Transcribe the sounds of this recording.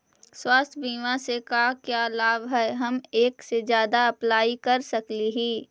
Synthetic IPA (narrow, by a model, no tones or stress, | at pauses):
swaːst̪ʰbiːmãsekaːkjaːlaːbɦɛːɦɐmeːksed͡ʒjaːd̪aɐplaːikɐɾsɐkliɦiː